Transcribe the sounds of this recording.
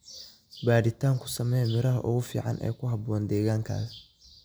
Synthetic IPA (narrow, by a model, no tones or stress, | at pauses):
baːɽɪt̪ʰaːŋkʰʊ̥sɐmɛjmɪɾɐɦɐʔʊɣʊfḭːʕɑ̰nʔɛ̰ːkʰʊɦɐbɔːnd̪ɛːɣaːŋkʰa̰ːs